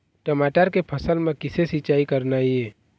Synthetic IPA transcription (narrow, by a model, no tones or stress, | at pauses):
ʈəmaːʈəɾkepʰɐsəlmẽkɪsesɪt͡ʃaːikəɾnaiɛː